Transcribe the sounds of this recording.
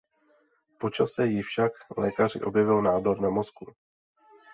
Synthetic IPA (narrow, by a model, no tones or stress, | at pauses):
po̞t͡ʃasɛjɪfʃaklɛːkar̝ɪ̰ʔo̞bjɛvɪlnaːdoɾnamo̞sku